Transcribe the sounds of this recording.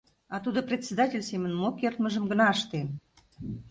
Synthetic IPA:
ɑt̪ud̪oprʲet̪ʲsʲed̪ɑtʲelʲsemənmokert̪məʒə̆mɡənɑəʃt̪em

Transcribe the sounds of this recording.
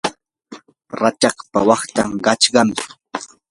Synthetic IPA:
ɾat͡ʃɑχpawɑχt̪aŋɢɑt͡ʃɢɑmɪ

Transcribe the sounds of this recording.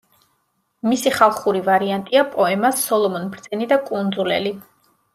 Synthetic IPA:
misiχalˠχuɾivaɾiant̪ʼiapʼɔɛmasːɔlˠɔmɔnbɾd̪z̥ɛnid̪akʼund̪zulɛ̰li

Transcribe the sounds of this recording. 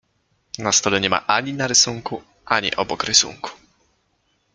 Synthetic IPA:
nast̪ɔlɛɲɛma̰ʔaɲinaɾɘsuŋku | ʔaɲḭʔɔbɔkɾɘsṵŋku̥

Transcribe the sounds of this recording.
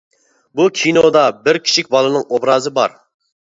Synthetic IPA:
bukʲʰinod̪ɑbɪɾkʲʰi̥t͡ʃʰikʲbɑlˠɨnɨŋobɾɑːzɨbɑ̰ɾ

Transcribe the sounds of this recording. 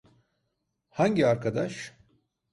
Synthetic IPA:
haɲɟiaɾkʰad̪aʃ

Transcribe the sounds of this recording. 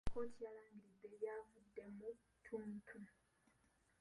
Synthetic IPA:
ko̞ːtijalaːŋɡiɾid̪ːe̞jaːvudːe̞mu | tʰuntʰu

